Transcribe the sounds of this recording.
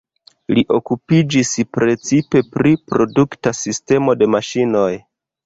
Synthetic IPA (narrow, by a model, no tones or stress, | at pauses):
liʔo̞kupid͡ʒispɾe̞t͡sipe̞pɾipɾo̞duktasiste̞mo̞de̞maʃino̞j